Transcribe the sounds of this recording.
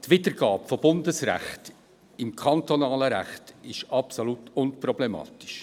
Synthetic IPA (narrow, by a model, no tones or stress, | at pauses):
tvɪdəɾɡ̥ɑːpfob̥ʊndəsɾæ̰χt | ɪmkʰɑntonɑːləɾæ̰χtɪʃɑpsolutʊnpɾɔblɛmɑ̰ːtɪ̥ʃ